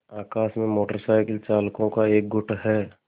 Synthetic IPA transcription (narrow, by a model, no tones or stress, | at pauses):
aːkaːsmẽmoːʈəɾsaːɪkəlt͡ʃaːlkõkaeːk̚ɡʊʈʰɦɛː